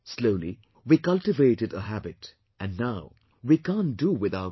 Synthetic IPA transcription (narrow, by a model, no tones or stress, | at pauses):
sloʊlḭ | wikʌlʈɪveɪʈɨdəɦæbɪt | ʔæ̃nːaʊ | wikãnduwɪðaʊə